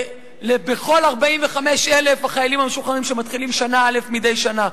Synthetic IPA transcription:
lebeχo̞laʁbaiɱveχameʃelefhaχajalimhameʃuχaʁimʃemat̪χilimʃanaalefmide̞jʃana

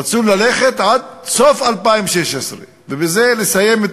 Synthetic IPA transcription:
at͡sulːaleχet̪ʕad̪̚sofalpaimʃeʃesʁe | vebezelesajemet̪

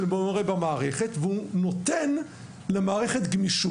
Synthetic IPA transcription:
lbomʁebamaːʁeχet̪veunot̪en | lemaːʁeχet̪ɡmiʃu

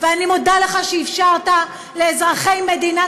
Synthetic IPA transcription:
veanimodaleχaʃeifʃaʁt̪a | leːzʁaχeimːed̪ina

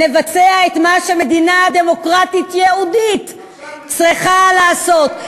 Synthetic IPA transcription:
e̞vat͡se̞aet̪maʃeme̞d̪inaad̪e̞mo̞kʁat̪it̪jeudit | t͡sʁiχalaːso̞t̪

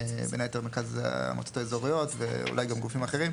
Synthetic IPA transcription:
benajet̪emekaz̰a̰mo̰t̪o̥taezo̞ʁijo̞tvḛṵlajɡamɡufimaχeʁim

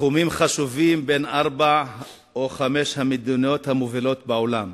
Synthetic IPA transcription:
umimχaʃuvimbe̞nʔaʁba | oχameʃhamid̪unio̞t̪hamovilo̞t̪̚baolam

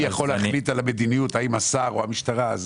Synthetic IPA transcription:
jaχo̞lːeaχlitalamed̪inijutaimasaʁoamiʃtaʁaz

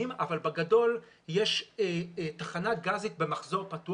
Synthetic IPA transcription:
imavalbaɡado̞l | jeʃetaχanaɡazit̪̚be̞maχzo̞ʁpatu

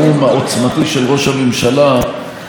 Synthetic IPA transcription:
umhaʔo̞t͡smat̪iʃelʁo̞ʃhamemʃala

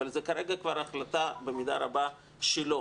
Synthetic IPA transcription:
alzekaɾeɡakvaɾaχlat̪abemid̪aɾaba | ʃelo

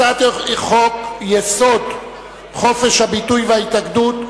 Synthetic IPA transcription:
at̪χokjeso̞d̪ | χo̞feʃhabitujvehaitaɡdut̪

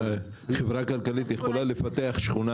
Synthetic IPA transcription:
χevʁakalkalit̪jeχolalefat̪eaχʃχuna

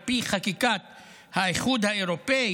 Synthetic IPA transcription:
piχakikat̪ | haeχud̪haeʁo̞pei

